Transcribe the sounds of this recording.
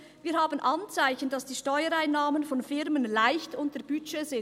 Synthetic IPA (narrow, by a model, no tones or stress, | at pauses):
viːɐhaːbənʔɑnt͡saɪçn̩d̥ɑsd̥iːʃtɔʏəɾaɪnːaːmənfɔnfɪɾmənlaɪçtʊntəb̥yt͡ʃeːzɪ